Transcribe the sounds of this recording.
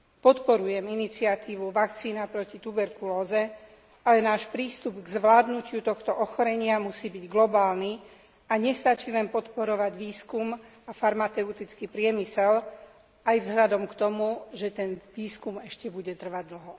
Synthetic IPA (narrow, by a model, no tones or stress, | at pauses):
pɔt̪pɔɾujɛminit͡siat̪iːʋuʋakt͡siːnapɾɔcit̪ubɛɾkulɔːzɛ | alɛnaːʃpɾiːst̪ubɡzʋlaːd̪nucɪut̪ɔxt̪ɔʔɔxɔɾɛɲɪamusiːbiɟɡlɔbaːlni | aɲɛst̪at͡ʃilɛnpɔt̪pɔɾɔʋaɟʋiːskumafaɾmat͡sɛut̪it͡skipɾɪɛmisɛl | ajvzɦʎad̪ɔmkt̪ɔmuʒɛt̪ɛnʋiːskumɛʃcɛbuɟɛt̪r̩ʋaɟ̚d̪l̩ɦɔ